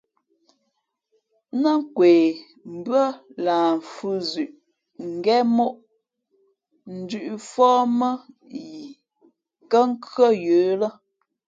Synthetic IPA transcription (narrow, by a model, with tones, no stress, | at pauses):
nə˦ŋ˦kweː˨ | m̩˨bə˦laː˨fʉ˦zʉ˨ʔ | ŋ̩˨ɡɛ˦mo˦ʔ | n̩˨dʉ˦˨ʔfɔː˦mə˦ | ji˨ | kə˦ŋ̩˦kɰə˦jøː˨˦lə˦